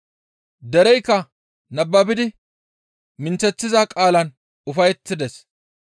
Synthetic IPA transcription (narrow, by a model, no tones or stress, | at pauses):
d̪ɛɾɛjkːɐ | nɐbːɐbɪd̪ɪ | mɪnt͡sɛt͡sːɪzakʼaːlɐn | ʊfɐjɛt̪ːɪd̪ɛs